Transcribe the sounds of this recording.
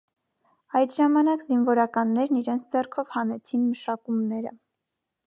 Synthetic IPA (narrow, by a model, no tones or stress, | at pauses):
ɑjt̪ʒɑmɑnɑkzinvɔɾɑkɑnːɛɾniɾɛnt͡sʰd͡zɛrkʰɔvhɑnɛt͡sʰinməʃɑkumnɛɾə̰